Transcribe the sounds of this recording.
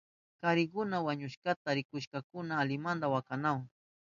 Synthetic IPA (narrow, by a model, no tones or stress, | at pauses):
kaɾɪkʊnawaɲʊʃkat̪aɾɪkʊʃkakʊnaːlɪmand̪awakanaw